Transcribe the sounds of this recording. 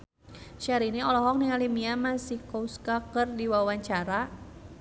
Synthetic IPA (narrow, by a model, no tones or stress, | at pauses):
ʃaɾiniɔlɔɦɔk̚niŋalimiamasikɔuskakərdiwawaɲt͡ʃaɾa